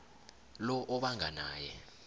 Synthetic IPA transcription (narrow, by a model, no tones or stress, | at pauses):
lɔʔɔɓaŋʱanaːjɛ